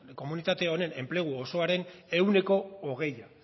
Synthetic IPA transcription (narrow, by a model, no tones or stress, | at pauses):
ko̞munit̪at̪e̞o̞ne̞ne̞mple̞ɣ̞uoso̞aɾe̞ne̞wne̞ko̞ːɣ̞e̞ja